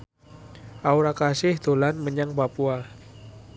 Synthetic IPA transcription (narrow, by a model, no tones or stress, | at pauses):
ʔauɾakasɪhd̪̥o̤lanməɲaŋpapua